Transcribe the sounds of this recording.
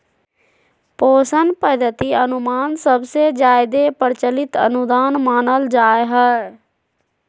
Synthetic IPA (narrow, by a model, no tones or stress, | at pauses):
poːsənpəd̪ət̪iːənʊmaːnsəbseːd͡ʒaːɪd̪eːpəɾt͡ʃəlɪt̪ə̰nʊd̪aːnmaːnəld͡ʒaːeɦɛ